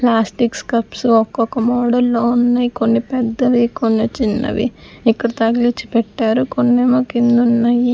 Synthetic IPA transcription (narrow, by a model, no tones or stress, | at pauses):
plaːsʈikskɐpsuɔkːɔkːɐmɔːɽɐlːoːunːajikonːipɛd̪ːɐʋikonːet͡ʃinːɐ̰ʋḭikːɐɽɐt̪ɐɡlit͡ʃːi̥pɛʈːaːɾukonːeːmɐkind̪unːaːji